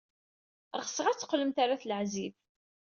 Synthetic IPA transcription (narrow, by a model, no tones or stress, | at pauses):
ʁəsəʁæt͡sːə̥qːləmt̪aɾaθləʕziv